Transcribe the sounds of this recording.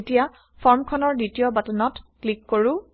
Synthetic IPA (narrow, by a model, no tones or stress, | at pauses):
tija | pʰɔɹmkʰɔnɔɹditijɔbatɔnɔtklikːoɹu